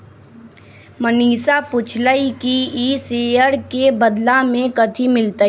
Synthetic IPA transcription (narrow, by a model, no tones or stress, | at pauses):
məniːsapʊt͡ʃʰləikiiseːjəɾkebəd̪lamẽkət̪ʰimɪlt̪a